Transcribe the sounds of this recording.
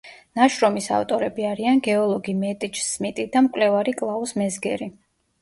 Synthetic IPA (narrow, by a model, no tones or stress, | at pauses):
naʃɾɔmisa̰ft̪ʼɔɾɛbiaɾianɡɛɔlˠɔɡimɛt̪ʼit͡ʃsmit̪ʼid̪amkʼlɛvaɾikʼlˠausmɛzɡɛɾi